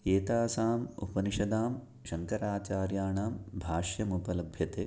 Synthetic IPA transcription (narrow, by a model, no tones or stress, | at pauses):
eːt̪aːsaːmṵpɐniʃɐd̪aːm | ʃɐŋkɐɾaːt͡ʃaːɾjaːɳaːmbʱaːʃjɐmupɐlɐbʱjɐt̪eː